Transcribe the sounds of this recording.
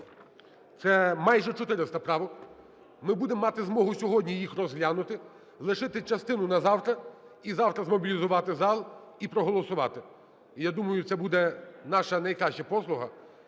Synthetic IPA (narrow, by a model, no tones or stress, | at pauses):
t̪sɛmɑjʒɛt͡ʃɔt̪ɪɾɪst̪ɐpɾɑʋɔk | mɪbud̪emːɑt̪ɪzmɔɦʊsʲɔɦɔdʲnʲijixrɔzɦlʲanʊt̪ɪ | lˠɪʃɪt̪ɪt͡ʃɐst̪ɪnʊnɐzɑwt̪ɾɐ | izɑwt̪ɾɐzmɔbʲilʲizʊʋɑt̪ɪzɑlˠipɾɔɦɔlˠɔsʊʋɑ̰t̪ɪ | ijad̪umɐjʊt̪sɛbud̪ɛnɑʃɐnɐjkɾɑʃt͡ʃɐpɔslˠʊɦɐ